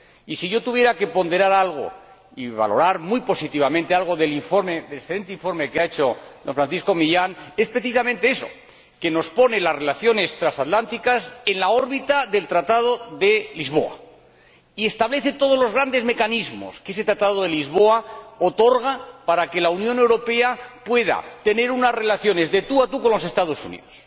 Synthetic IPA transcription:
isiʝo̞t̪uβje̞ɾake̞po̞nd̪e̞ɾaɾalɣ̞o̞̰ | iβa̰lo̞̰ɾaɾmujpo̞sit̪iβ̞amẽnt̪ealɣ̞o̞ðe̞liɱfo̞ɾmeðelesθele̞nt̪eiɱfo̞ɾme̞keaet͡ʃo̞ðoɱfɾãnθisko̞miʎane̞spɾe̞θis̬amẽnt̪e̞eso̞̰ | ke̞no̞spo̞ne̞lazre̞laθjo̞ne̞st̪ɾasat̪lant̪ikase̞nlao̞ɾβit̪aðe̞lt̪ɾat̪að̞oðe̞lizβ̞o̞̰a̰ | ie̞st̪aβle̞θe̞t̪oð̞o̞zlo̞zɣ̞ɾand̪e̞zme̞kanizmo̞̰skees̬et̪ɾat̪aðoðelizβo̞aot̪o̞ɾɣ̞apaɾake̞launjone̞wɾo̞pe̞apwe̞ð̞a̰t̪e̞ne̞ɾunazre̞laθjo̞ne̞zðe̞t̪uat̪uko̞nlo̞se̞st̪að̞o̞sṵnḭðos

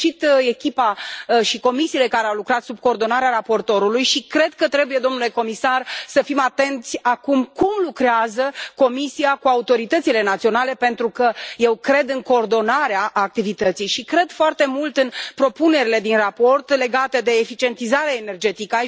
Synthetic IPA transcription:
t͡ʃit̪e̞kʲipaʃiko̞misiːle̞kaɾeawlukɾat̪sub̚koːrd̪o̞naɾeaɾapo̞rt̪o̞ɾulujʃikɾe̞d̪̚kət̪ɾe̞buje̞d̪o̞mnule̞ko̞misarsəfimat̪e̞nt̪sʲakumkumlukɾeazəko̞misijakuaut̪o̞ɾit̪ət̪sile̞nat̪sio̞nale̞pe̞nt̪ɾukəje̞wkɾe̞d̪ɨŋko̞ːrd̪o̞naɾeaʔːk̚t̪ivit̪ət̪sijʃikɾe̞d̪̥foart̪e̞mult̪ɨnpɾo̞pune̞ɾile̞d̪inrapo̞rt̪le̞ɡat̪e̞d̪e̞ːfit͡ʃie̞nt̪izaɾeaene̞rd͡ʒe̞t̪ikəa

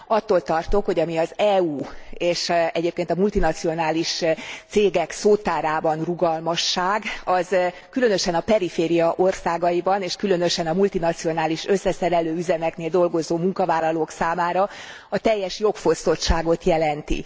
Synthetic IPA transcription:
ɒt̪ːoːlt̪ɒrt̪o̞kho̞ɟɒmiɒzɛuːeːʃɛɟeːp̚keːnt̪ɒmult̪inɒt̪sio̞naːliʃt̪seːɡɛksoːt̪ːaːɾaːbɒnruɡɒlmɒʃːaːɡɒz | kylø̞nø̞ʃɛnɒpɛɾifeːɾijɒʔo̞rsaːɡɒjibɒneːʃkylø̞nø̞ʃɛnɒmult̪inɒt̪sio̞naːliʃø̞sːɛsɛɾɛløːyzɛmɛkneːld̪o̞lɡo̞zoːmuŋkɒvaːlːɒloːksaːmaːɾɒ | ɒt̪ɛjːɛʃjo̞kfo̞st̪o̞tʃaːɡo̞t̪jɛlɛnt̪ḭ

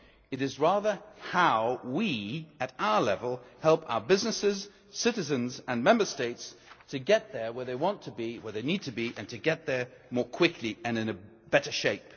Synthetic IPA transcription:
ɨɾɨzɹæðə˞haʊwiɨɾaʊə˞lɛvəl̩ˠhɛlˠpʰa̰ʊə˞bɪznɨsɪz̥ | sɪɾɨzɨ̃nzɨ̃nmɛ̃mbə˞steɪtstʰɨɡɛt̪̚ðə˞wə˞ðeɪwɑ̃ntʰəbiwə˞ðeɪnid̚tʰɨbiʔɨ̰̃ntʰɨɡɛt̪̚ðə˞mɔɹkʰw̥ɪkʰliɨ̃nɨ̃nɨ | b̥ɛɾə˞ʃeɪp̚

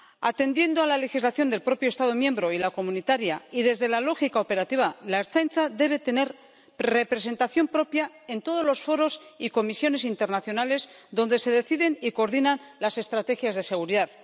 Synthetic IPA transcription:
at̪e̞nd̪je̞nd̪oalale̞xizlaθjo̞nd̪e̞lpɾo̞pjo̞st̪að̞o̞mjẽ̞mbɾo̞ilako̞mũnit̪aɾjaiðe̞zðe̞lalo̞xikaope̞ɾat̪iβalaeɾt͡sajnt͡saðe̞β̞e̞t̪e̞ne̞ɾ | re̞pɾe̞se̞nt̪aθjo̞mpɾo̞pja | e̞nt̪o̞ð̞o̞zlo̞sfo̞ɾo̞siko̞misjo̞ne̞sint̪e̞ɾnaθjo̞nale̞zðo̞nd̪e̞se̞ðe̞θiðe̞nikoɾðinanlase̞st̪ɾat̪e̞xjazðe̞seɣ̞uɾiðað

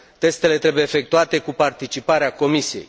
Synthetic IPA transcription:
t̪e̞st̪e̞le̞t̪ɾe̞bujeːfe̞k̚t̪uat̪e̞kupart̪it͡ʃipaɾeako̞misije̞̰j

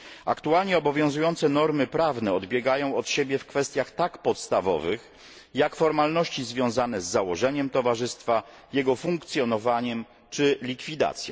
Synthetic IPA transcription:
a̰kt̪ualɲɛɔbɔvʲjɔ̃zujɔnt̪sɛnɔɾmɘpɾavnɛɔd̪bʲjɛɡajɔ̃w̃ɔt̪ɕebʲjɛfkfɛst̪ʲjaxt̪akpɔt̪st̪avɔ̰vɘx | jakfɔɾmalnɔɕt͡ɕizvʲjɔ̃w̃zanɛzːawɔʐɛɲɛmt̪ɔvaʐɘst̪fa | jɛɡɔfuŋkt̪sʲjɔnɔvaɲɛm | t͡ʂɘlʲikfʲid̪a̰t̪sʲjɛ̰

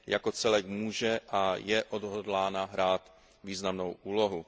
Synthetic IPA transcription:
jako̞t͡sɛlɛkmuːʒɛʔajɛʔodɦodlaːnaɦɾaːt̪ | viːznamnowʔuːlo̞ɦu

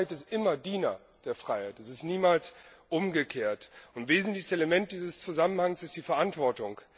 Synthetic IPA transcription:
ɪtɪstʔɪmɐdiːnɐ | d̥eːɐfʁ̥aɪhaɪtɛsɪstniːmaːlsʔʊmɡəkʰeːɐtʊntv̥eːzn̩tlɪçəseləmɛnt̚d̥iːzəst͡suzamənhaŋsɪstd̥iːfɛɐʔantv̥ɔɐtʊŋ

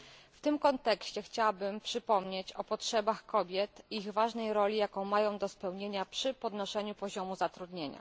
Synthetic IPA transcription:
ft̪ɘmkɔnt̪ɛkɕt͡ɕɛxt͡ɕawabɘmpʂɘpɔmɲet͡ɕɔpɔtʂɛbaxkɔbʲjɛt̪iɣvaʐnɛjɾɔlʲijakɔ̃w̃majɔ̃w̃d̪ɔspɛwɲeɲapʂɘpɔd̪nɔʂɛɲupɔʑɔmuzat̪ɾud̪ɲeɲa̰

